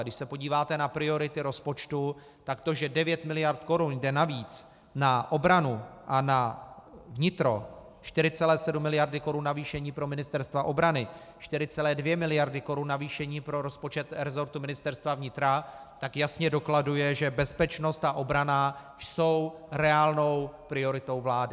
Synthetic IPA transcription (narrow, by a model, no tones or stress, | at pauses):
dɪʃsɛpo̞ɟiːvaːt̪ɛnapɾɪo̞ɾɪt̪ɪɾo̞spo̞t͡ʃt̪u | t̪akt̪o̞ʒɛdɛvjɛt̪mɪlɪjaɾt̪ko̞ɾunjdɛnaviːt͡s | naʔo̞bɾanuʔana | vɲɪt̪ɾo̞̰ | ʃt̪ɪɾɪt͡sɛlɛːsɛdumːɪlɪjaɾdɪko̞ɾunːaviːʃɛɲiːpɾo̞mɪnɪst̪ɛɾst̪vaʔo̞bɾanɪ | ʃt̪ɪɾɪt͡sɛlɛːdvjɛmɪlɪjaɾdɪko̞ɾunːaviːʃɛɲiːpɾo̞ɾo̞spo̞t͡ʃɛt̪ɾɛzo̞ɾt̪umɪnɪst̪ɛɾst̪vavɲɪt̪ɾat̪akjasɲɛdo̞kladujɛʒɛbɛspɛt͡ʃno̞st̪aʔo̞bɾana | so̞wɾɛaːlno̞wpɾɪo̞ɾɪt̪o̞wvlaːdɪ